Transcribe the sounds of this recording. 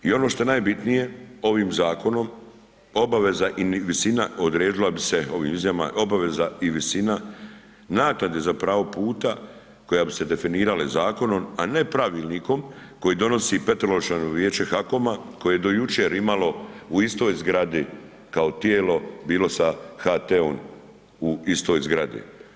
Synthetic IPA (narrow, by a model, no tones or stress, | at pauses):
io̞no̞ʃt̪o̞enaːjbit̪nije̞o̞ʋiːmzaːko̞no̞m | o̞baʋe̞zaʔinʋisinao̞d̪ɾeːd̪ilabise̞o̞ʋḭmizjama̰o̞baʋe̞zaiʋisina | naːk̪nad̪ezapɾaːʋo̞puːt̪a | ko̞jabise̞d̪e̞finiːɾalezaːko̞no̞ma̰ne̞pɾaʋiːlniko̞mko̞jid̪o̞no̞sipe̞t̪ɾolot͡ʃanoʋje̞ːt͡ʃe̞xako̞mako̞jejed̪o̞jut͡ʃeɾimalo̞uist̪o̞ːjzɡɾad̪i | kaot̪jeːlo̞biːlo̞saxat̪eon | uist̪o̞ːjzɡɾad̪ḭ